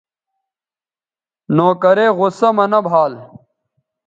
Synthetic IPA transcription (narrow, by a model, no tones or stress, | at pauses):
noːkɐɾeːɣʊsɐmɐnɐbʱaːl